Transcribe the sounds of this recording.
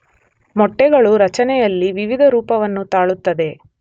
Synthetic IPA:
mɔʈːɛɡɐɭuɾɐt͡ʃɐnɛjɐlːiʋiʋid̪ʱɐɾuːpɐʋɐnːut̪aːɭut̪ːɐd̪e̞

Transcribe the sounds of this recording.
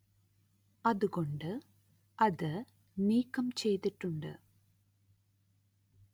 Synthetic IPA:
ɐðuɣo̞ɳɖɨ | ɐðɨ | niːkːɐmt͡ɕe̞jt̪iʈːuɳɖɨ̰

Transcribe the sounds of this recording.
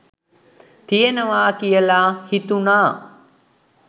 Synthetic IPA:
t̪ijenəʋaːkijəlaːhit̪unaː

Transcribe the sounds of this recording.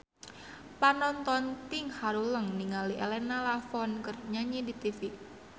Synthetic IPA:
panɔnt̪ɔnt̪ɪŋhaɾuləŋniŋaliʔɛlɛnalafɔnkərɲaɲidit̪ifi

